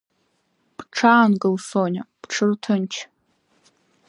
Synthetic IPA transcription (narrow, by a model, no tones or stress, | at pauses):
b̥ʈ͡ʂʰaːnɡɨlsonʲab̥ʈ͡ʂʰɨrtʰɨnt͡ʃʰ